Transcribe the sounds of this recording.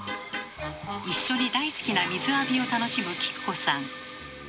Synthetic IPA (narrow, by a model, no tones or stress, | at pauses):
iɕːo̞ɲ̟id̪aisɨ̥kʲinamʲizɨabʲio̞t̪ano̞ɕimɯ̟kʲi̥kɯ̟̥ko̞̥sãŋ